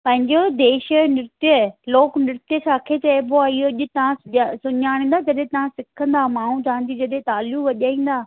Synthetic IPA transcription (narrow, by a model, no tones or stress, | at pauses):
pɐ̃ɦɪ̃ɲd͡ʑod̪eːʃənɪɾɪt̪ijəloːknɪɾɪt̪ijəsʰãkʰet͡ɕɐepoaːiɦoɐʄʊ̆t̪ɐʋ̤ãsʊasʊɲaːɽ̃n̆d̪ad͡ʑɐɗẽt̪ɐʋ̤ãsɪkʰə̃nd̪aːmaːɦũd͡ʑãːnd̪id͡ʑɐɗẽt̪aːljũʋɐʄaːĩːn̆d̪aː